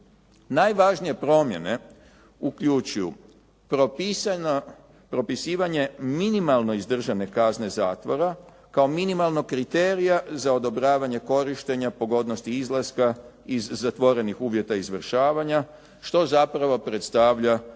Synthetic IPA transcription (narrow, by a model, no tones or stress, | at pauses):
najʋaʒnije̞pɾo̞mje̞̰ne̞ | ukʎut͡ʃujṵ | p | pɾo̞pisiːʋaɲe̞minimalˠno̞izd̪r̩ʒane̞kazne̞zaːt̪ʋo̞ɾa | kao̞minimalˠno̞kɾit̪eːɾijazao̞d̪o̞bɾaːʋaɲe̞ko̞ɾiʃt̪eɲapo̞ɡo̞d̪no̞st̪iizlˠaska | izːat̪ʋo̞ɾe̞nixuːʋje̞t̪aizʋr̩ʃaːʋaɲa | ʃt̪o̞zapɾaʋo̞pɾe̞t̪st̪aʋʎa